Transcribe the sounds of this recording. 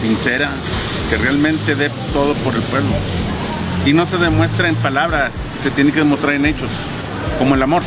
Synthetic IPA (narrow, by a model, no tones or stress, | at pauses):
sinseɾa | kerealmẽnt̪eðe | t̪oðopoɾelpwe̞βlo̰ | ino̞se̞ðemwe̞st̪ɾaempalaβɾasːet̪jenekeðemost̪ɾaɾenet͡ʃos | komoelamo̞ɾ